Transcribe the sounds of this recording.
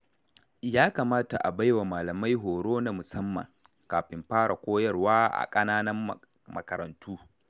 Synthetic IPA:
jaː˦kaː˨maː˦ta˨ʔa˨ba˦jwa˨maː˨lɐ˨ma˦jɦoː˨ɽoː˦na˦mʊ˨sɐ˦mːɐ̰˨ŋ | kaː˨ɸɪ˨mɸaː˦ɽa̰˨kʷoː˦jɐ˦rwaː˦ʔa̰˨kʼɐ˦naː˦nɐ˦m˨ | mɐ˨kɐ˨ɾɐ̰˨ntʰuː˦

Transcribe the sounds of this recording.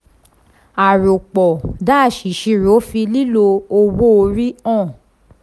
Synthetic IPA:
a˨ɾo˨k͡pɔ˨da˦˨ʃi˨˦ʃi˧ɾo˨˦fi˧li˦lo˧o˧wo˦o˧ɾi˦ɔ̃˦˨

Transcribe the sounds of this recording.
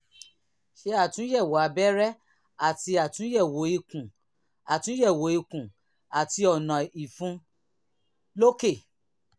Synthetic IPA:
ʃe˧a˦˨tũ˨˦jɛ˦˨wa˨a˨˧˦bɛ˦ɾɛ˦ | a˦˨ti˧a˨tũ˨˦jɛ˦˨wo˨˦i˧kũ˨ | a˨tũ˦jɛ˦˨wo˨˦i˧kũ˨ | a˨ti˧ɔ˨nã˨i˨fũ˨˧˦ | lo˦ke˦˨

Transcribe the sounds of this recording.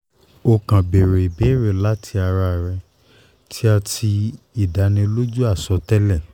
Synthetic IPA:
o˧˨kã˨be˨ɾe˨i˨be˨˦ɾe˨la˦tʰi˧a˧ɾa˧˨ɾɛ˧ | tʰi˦a˧tʰi˧ | i˦˨da˨˦nĩ˧lo˦d͡ʒu˦a˦˨sɔ˧˦tɛ˦lɛ˦˨

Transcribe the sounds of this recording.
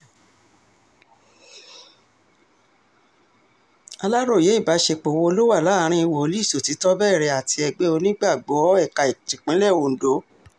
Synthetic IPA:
a˧la˦ɾo˦˨je˨˦i˦˨ba˨˦ʃe˧k͡po˨wo˧lo˦wa˦˨la˦˨˦ɾ̃ĩ˧˦i˧wo˨o˨˧˦li˦i˦˨so˨ti˨˦tɔ˦bɛː˦˨ɾɛ˧a˨ti˧ɛ˧ɡ͡be˦o˧nĩ˦ɡ͡ba˦˨ɡ͡bɔ˨˦ɛ˦˨ka˨i˨tĩ˨k͡pĩ˨˦lɛ˦˨wo˨n̩˨do˨˦

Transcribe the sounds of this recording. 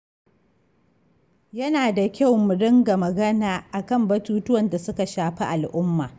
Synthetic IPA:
jɐ˦naː˨da˨kʲa˦˨wmʊ˨ɽɪ˦ŋɡa˨mɐ˨ɡɐ˦naː˨ʔa˨kɐ˦˨mbɐ˨tuː˦tʊ˦wɐ˨nda˨sʊ˦ka˨ʃaː˨ɸi˦ʔa˨lʔʊ˦mːa̰ː˨

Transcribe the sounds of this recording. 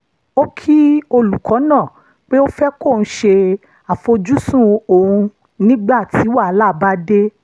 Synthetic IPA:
o˦kʰi˦o˧lu˨kʰɔ˨˦nã˦˨ | k͡pe˦o˦fɛ˦ko˦˨ñ̩˧˦ʃe˧ | a˨fo˧d͡ʒu˦sũ˦o˨hũ˧ | nĩ˦ɡ͡ba˦˨tʰi˨˦wa˦˨˦la˦˨ba˦de˦

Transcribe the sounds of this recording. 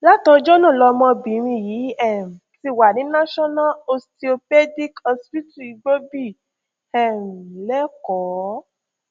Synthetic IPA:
la˦tɔ˧d͡ʒɔ˦nã˦˨lɔ˧mɔ̃˧bĩ˨˦ɾ̃ĩ˧ji˨˦ɛ˦˨m̩˨ti˧˦˨wa˨nĩ˨˦nã˦ʃɔ˦na˦lo˧sti˧o˧pɛ˦di˦kɔ˧spi˦tu˦˨i˧ɡ͡bo˦bi˦˨ | ɛ˨n̩˨lɛ˦kɔ˨˦

